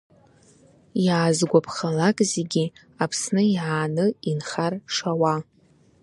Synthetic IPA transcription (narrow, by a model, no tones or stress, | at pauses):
jaːzɡʷapʰχalakʼzeɡʲi | apʰsnɨjʕaːnɨinχarʂawa